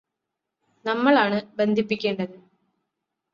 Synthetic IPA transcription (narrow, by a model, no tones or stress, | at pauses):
nɐmːɐɭaːɳɨbe̞nd̪ʱipːikʲːe̞ːɳɖɐðɨ